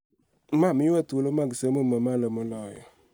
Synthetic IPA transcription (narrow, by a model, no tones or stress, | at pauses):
mamijɛtwlomaɡəsəməməmaləməlɔjɔ̰